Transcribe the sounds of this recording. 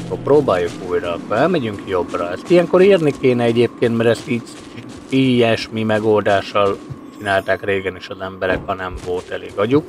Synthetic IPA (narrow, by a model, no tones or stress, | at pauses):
kːorproːbaːjːukuːjɾɒːkːoɾɛlmɛɟyŋkjo̞brɒɛst̪ijɛŋko̞ɾeːrnikeːnɛɛɟeːp̚keːnt̪mɛɾɛst̪iːɟ | iːjɛʃmimɛɡo̞ld̪aːʃːɒlt͡ʃinaːlt̪aːkreːɡɛniʃɒzɛmbɛɾɛkhɒnɛɱvo̞lt̪ɛlḛːɡɒɟuk